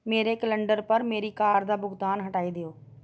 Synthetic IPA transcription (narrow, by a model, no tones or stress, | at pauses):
meːɾekələ̃ɳɖəɾpəɾmeːɾikaːɾd̪aːbʊɡt̪aːnɦəʈaːid̪ɪjoː